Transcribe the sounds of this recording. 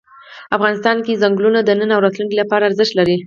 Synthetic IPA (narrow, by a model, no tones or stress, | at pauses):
afɣɑnɪst̪ɑnkezaŋɡlunad̪ənənawɾɑt̪lunkilapɑɾaːɾzɪʃt̪laɾi